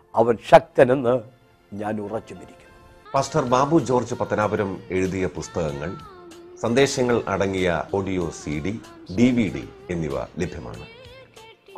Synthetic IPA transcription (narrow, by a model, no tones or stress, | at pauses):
ɐʋɐnɕɐk̚t̪ɐnenːɨ | ɲaːnurɐt͡ɕːumiɾikʲːu̥ | paːsʈɐrbaːbud͡ʑo̞ːrd͡ʑɨpɐt̪ːɐnaːbɐɾɐme̞ɻuðijɐpust̪ɐɣɐŋːɐɭsɐnd̪e̞ːɕɐŋːɐɭʔɐ̰ɽɐŋːijɐ̰ʔo̞ːɖijoːsiːɖi | ɖiʋiɖḭe̞nːiʋɐ̰lebʱjɐma̰ːɳɨ̰